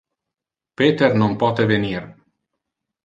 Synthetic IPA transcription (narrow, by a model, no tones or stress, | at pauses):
pet̪ernumpɔt̪evenir